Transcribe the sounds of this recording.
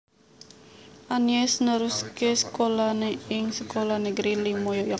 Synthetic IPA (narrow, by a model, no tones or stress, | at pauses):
ʔaniɛsnəɾuskesə̥kolaneɪŋsəkolanəɡɾilimojoja